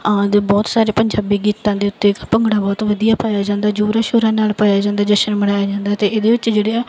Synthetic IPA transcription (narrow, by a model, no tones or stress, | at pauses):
d̪ebɔːt̪saːɾeːpəɲd͡ʒaːbiːɡiːt̪ãːd̪eːʊt̪ːeːpəŋɡɽaːbɔːt̪ʋəd̪ijaːpaːjaːd͡ʒãːnd̪aːd͡ʒuːɾaːʃoːɾãːnaːlpaːjaːd͡ʒãːnd̪aːd̪əʃənməɽ̃aːjaːd͡ʒãːnd̪aːt̪eːʔeːd̪eːʋɪt͡ʃd͡ʒeːɽeːaː